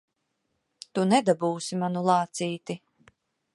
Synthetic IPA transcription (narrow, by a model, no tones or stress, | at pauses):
t̪unɛd̪abuːsimanulˠɑːt̪siːt̪i